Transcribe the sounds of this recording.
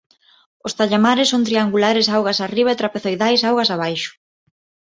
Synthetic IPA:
ost̪aʎamaɾɪsoŋt̪ɾiaŋɡulaɾɪsawɣasariβaet̪ɾapeθojðajsawɣasaβajʃʊ̥

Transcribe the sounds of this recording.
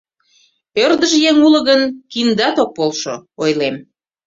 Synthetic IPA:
ørd̪əʒjeŋuləɣənkind̪ɑt̪ok̚polʃo̰ojlem

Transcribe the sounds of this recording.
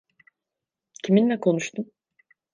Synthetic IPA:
cʰiminlɛkʰo̞nuʃt̪ʰum

